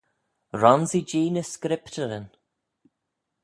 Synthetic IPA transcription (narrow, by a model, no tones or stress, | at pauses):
ɾɔnzid͡ʒiːnəskɾɪptəɾən